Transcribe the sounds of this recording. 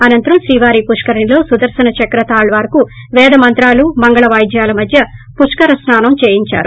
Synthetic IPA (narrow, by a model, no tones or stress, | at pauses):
ɐnɐnt̪ɐɾɐmʃɾiːʋaːɾiːpuʂkɐɾɐnilo̞ːsud̪ɐɾsɐnɐt͡ʃɐkɾɐt̪aːɭʋaːɾɐku | ʋɛːd̪ɐmɐnt̪ɾaːlumɐŋɡɐɭɐʋɐːjd̪jaːlɐmɐd̪ʱjɐpuʂkɐɾɐsnaːnɐmt͡ʃeːjiɲt͡ʃa̰ːɾu